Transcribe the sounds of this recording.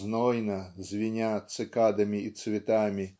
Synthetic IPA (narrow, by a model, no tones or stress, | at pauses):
nɔjnɐzʲʋʲinʲat̪sɪkɑd̪ɐmʲiːt̪sʲʋʲɪt̪ɑmʲi